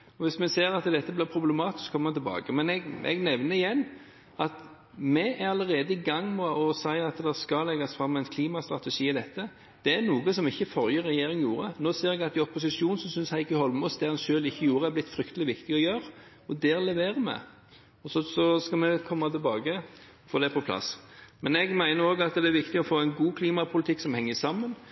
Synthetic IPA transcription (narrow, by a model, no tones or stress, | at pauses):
ɔʋɪsmɛseːɾɑt̪d̪ɛt̪ːəblɪːɾpʰɾʊblɛmɑːt̪ɪ̥skʰɔməmɛnt̪ɪlbɑ̰ːɡəmɛnɛɡʔɛ̰ɡnɛʋnəɪjɛnː | ɑt̪ | mɛʔæɾɑləɾeːd̪əɪɡɑŋːmɛʔɔsæɪɑt̪d̪ɛskɑlɛɡɑsfɾɑmːæɪnkʰliːmɑst̪ɾʁɑt̪ɛʂiːɪd̪ɛt̪ʰːə | d̪̥ɛænuːɡəsɔmɪçːəfɔɾjəɾːɛjeːɾɪŋjuːɾənoːseːɾɛɡɑt̪ɪɔpʊs̬ɪʃuːnn̩sɔmsʏnshæɪkːəhɔlmɔsd̪ɛhɑnʃøːlɪçːəjuːɾəæɾblɪt̪ːfɾʏkt̪əlɪʋɪkt̪ɪɔjøːɾ | ɔd̪ɛɾlɛʋeːɾəmɛ̰ | ɔsɔsɔskɑmɛkʰɔmːɑt̪ɪlbɑːɡə | fɔd̪ɛpʰɔpʰlɑ̰smɛnɛɡmæɪnəɾoːɡɑt̪̚d̪ɛæɾʋɪkt̪ɪɔfoːæɪnɡuːkʰliːmɑpʰʊlɪt̪ʰɪkːsɔmhɛŋːəsɑmːən